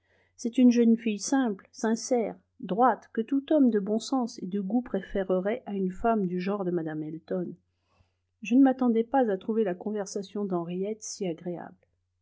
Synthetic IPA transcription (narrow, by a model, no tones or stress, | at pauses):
sɛt̪ynʒənfijsɛ̃plsɛ̃sɛʁ | d̪ʁwat̪kət̪ut̪ɔmd̪əbɔ̃sɑ̃sed̪əɡupχefɛʁəʁɛʔaynfamd̪yʒɑ̃ʁd̪əmad̪amɛlt̪ɔn | ʒənəmat̪ɑ̃d̪ɛpazat̪χuvelakɔ̃vɛʁsasjɔ̃d̪ɑ̃ʁijɛt̪siaɡʁea̰bl